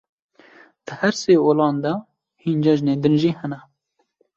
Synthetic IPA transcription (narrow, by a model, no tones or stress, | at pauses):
d̪̥ɨhɛɾseːoːlɑːnd̪ɛ | hiːnd͡ʒɛʒneːd̪ɨnʒiːhɛnɛ